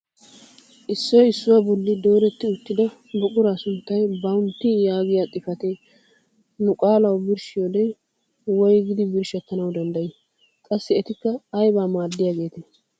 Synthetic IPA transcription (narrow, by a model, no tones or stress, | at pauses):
ʔɪsːɔjɪsːʊwaːbɔlːɪd̪o̞ːɾɛt̪ːɪʊt̪ːɪd̪ɐ | bɔkʼʊɾaːsʊnt̪ːɐjbɐʊnt̪ːɪjaːɡɪjaːt̪ʼɪfɐt̪e | nʊkʼaːlɐwbɪɾʃɪjod̪ɛ | wɔjɡɪd̪ɪbɪɾʃɐt̪ːɐnɐwd̪ɐnd̪ɐjɪ | kʼɐsːɪɛt̪ɪkːɐːjbaːmaːd̪ːɪjaːɡe̞ːt̪e